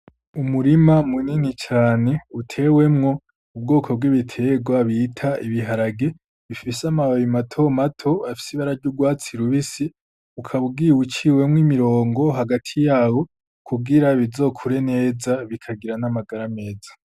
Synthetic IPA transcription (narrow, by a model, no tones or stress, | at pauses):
umuɾimamuninit͡ʃaːne̞utʰe̞we̞mŋo̞ | ub̚ɡo̞ːkʰo̞b̚ɡwiβitʰe̞ɡwaβitʰaʔiβiɦaɾaɡe̞ | βifisamaβajimatʰo̞matʰo̞afi̥siβaɾaɾɟuɡwaːt͡siɾuβisi | ukʰaβuɡiwut͡ʃiːwe̞mŋimiɾo̞ːŋɡo̞ɦaɡatʰijaːwo̞ | kʰubɡiɾaβizo̞ːkʰuɾe̞ne̞ːzaβikʰaɡiɾanamaɡaɾame̞ːzḁ